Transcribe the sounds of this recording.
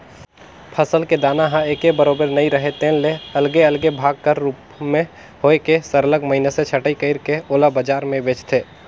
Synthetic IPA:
pʰəsəlked̪aːnaɦãeːkebəɾoːbəɾnəĩɾəɦet̪ẽːnleəlɡeəlɡebʱaːɡ̚kəɾːuːp | mẽ | hoːekesəɾələɡməɦɪneset͡ʃʰəʈəikəɪɾkeoːlabəd͡ʒaːɾmẽbeːt͡ʃt̪ʰeː

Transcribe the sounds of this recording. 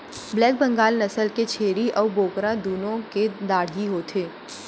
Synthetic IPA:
blɛːk̚bɐ̃ŋɡaːlnɐsəlket͡ʃʰeːɾiʔɔːɾboːkɾad̪uːnõked̪aːɽ̤ɦiɦoːt̪ʰeː

